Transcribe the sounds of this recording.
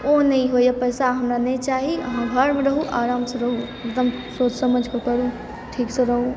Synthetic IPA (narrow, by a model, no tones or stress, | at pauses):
onɐɦĩɦoːjapɐjsaɦɐmɾanɐĩt͡ʃaːɦiɦãɡʱaɾmẽɾɐɦuʔaːɾaːmsɐɾɐɦu | ɪkd̪əm | soːt̪sɐməd͡ʒʱkəkɐɾũ | ʈʰiːksɐɾɐɦũ